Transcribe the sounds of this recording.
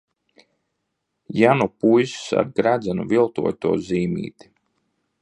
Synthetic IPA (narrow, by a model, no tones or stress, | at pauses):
janupujssa̰ɾɡɾad̪zɛnuvilˠt̪ṵɔt̪uɔziːmḭːt̪i̥